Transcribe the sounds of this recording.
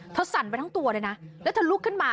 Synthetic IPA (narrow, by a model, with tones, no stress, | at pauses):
t̪ʰaː˧˩sa˨˩˦npa˧t̪ʰa˦˥ŋt̪u˧ɐɾaː˧˩jna˦˥lɛ˦˥wt̪ʰa˧˩lu˦˥kʰːɯ˥˩nmaː˧